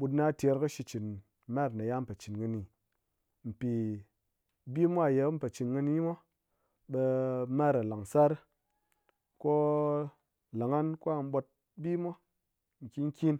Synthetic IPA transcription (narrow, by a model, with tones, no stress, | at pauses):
ɓu˧tna˦tʲe˧ɾkɨ˦ʃi˧t͡ʃi˨n | ma˦ɾna˨ja˦m̩˦pe˨t͡ʃi˨nŋɨ˧ni˨ | m̩˨pi˨ | bi˦mʷ˦a˦˨je˨˦m̩˦pe˨t͡ʃi˨nŋɨ˧ni˧˦ma˦ | ɓe˧ma˦ɾa˨la˨ŋsa˦ɾ | ko˦ | la˨ŋa˦nku˦a˦m̩˦ɓo˧t̚ | bi˦mʷo˦ | ŋ̩˨kʲi˦ŋ̩˦kʲi˦n